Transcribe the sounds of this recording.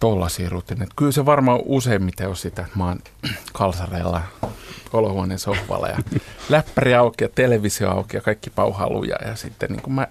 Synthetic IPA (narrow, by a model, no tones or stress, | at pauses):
t̪olːɑsiːrut̪ːinet̪kylseʋɑrmɑoʔuseimmit̪æiossit̪ːæmɑːn | kɑlsɑreːlːɑkolohuɑnensohʋɑ̰lːɑ̰jɑ̰læpːæriɑukijɑt̪eleʋisio̰ɑukijɑkɑikːipɑuhɑ̰lṵjɑ̰jɑsit̪ːḛnnḭŋkumæ